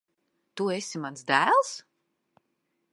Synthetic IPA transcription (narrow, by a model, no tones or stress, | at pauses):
t̪uesimansd̪æːlˠs